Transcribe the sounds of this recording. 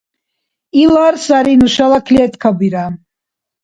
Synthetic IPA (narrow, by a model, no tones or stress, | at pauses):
ilaɾsaɾinuʃalakʰliɛt̪ʰkʰabiɾa